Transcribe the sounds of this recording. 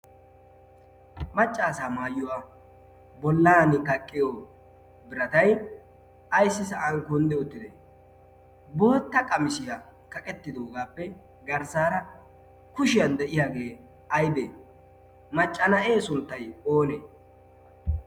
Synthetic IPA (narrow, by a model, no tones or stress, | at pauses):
mɐt͡ʃʼːaːsaːmaːjːʊwaː | bɔlːaːnɪkɐkʼːɪjoː | bɪɾɐt̪ɐj | ɐjsːɪsɐʔɐŋkɔnd̪ɛɔt̪ːɪd̪ḛ | bo̞ːt̪ːɐkʼɐmɪsɪja | kɐkʼɛt̪ːɪd̪oːɡaːpːɛ | ɡɐɾsaːɾɐ | kʊʃɪjɐnd̪ɛʔɪjaːɡe̞ː | ɐjb̪eː | mɐt͡ʃʼːɐnɐʔe̞ːsʊnt̪ːɐjoːnḛː